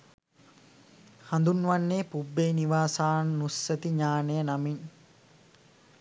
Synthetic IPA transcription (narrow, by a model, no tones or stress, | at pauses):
hand̪unːʋanːeːpubːeːniʋaːsaːnnusːət̪iɲaːnejənamin